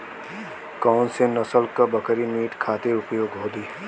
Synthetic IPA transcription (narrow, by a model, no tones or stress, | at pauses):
kaːnsenɐsəlkabɐkɾimiːʈkʰaːt̪eʊpjoːɡɦoːd̪iː